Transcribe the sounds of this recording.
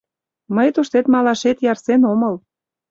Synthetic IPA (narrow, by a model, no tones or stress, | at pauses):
məjt̪uʃt̪et̪mɑlɑʃet̪jɑrsenoməl